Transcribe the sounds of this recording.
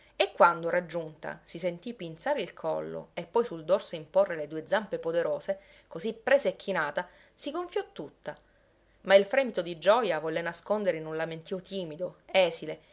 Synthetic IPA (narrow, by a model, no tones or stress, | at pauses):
ekːwand̪oɾad͡ʒːunt̪a̰sisent̪ipint̪saːɾeilkʰɔ̰lːo̰epːɔjsuld̪orsoimporːeled̪uːed̪zampepod̪eɾoːse | kozipːɾɛːsaekʰːinaːt̪a | siɡoɱfjɔt̪ːut̪ːa | mailfɾɛmit̪od̪id͡ʒɔjavɔlːenaskond̪eɾeinunlament̪iot̪iːmid̪oɛːsile